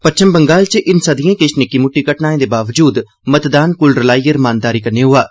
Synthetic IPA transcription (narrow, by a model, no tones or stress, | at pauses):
pət͡ʃɪmbəŋɡaːlt͡ʃəʔɪnsaːd̪ijãːkeːʃnekːiːmʊʈːiːkəʈnaːẽːd̪eːbaːʋəd͡ʒuːd̪ | mət̪d̪aːnkʊlɾəlaːijəɾmaːnd̪aːɾiːkəɾneːɦʊaː